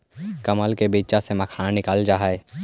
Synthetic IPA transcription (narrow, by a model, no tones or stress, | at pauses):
kɐməlkebiːt͡ʃasemɐkʰaːnanɪkaːld͡ʒaːɦae